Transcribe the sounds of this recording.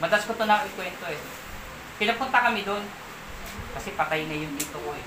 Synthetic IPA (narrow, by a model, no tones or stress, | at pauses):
mɐd̪ɐskot̪onɐŋɪkwɛnt̪o̞ʔɛ | kɪnɐpʊnt̪ɐkɐmɪd̪on | kɐsɛpɐt̪ajŋɐjʊnɡ̪ɪt̪oʔɛ